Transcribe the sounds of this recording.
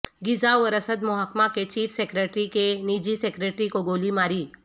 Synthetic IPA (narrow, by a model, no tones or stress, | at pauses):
ɡid͡zaʋəɾəsəd̪mɔɦakmaket͡ɕiːfsekɾeʈɾikenid͡ʑiːsekɾeʈɾikoɡolimaɾiː